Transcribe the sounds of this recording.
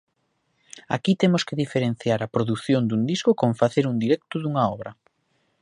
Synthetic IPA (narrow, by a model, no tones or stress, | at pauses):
a̰kit̪emʊskeðifeɾen̟θjaɾɐpɾoðuθjond̪und̪iskʊkoɱfaθeɾund̪iɾɛkt̪ʊðuŋaɔβɾɐ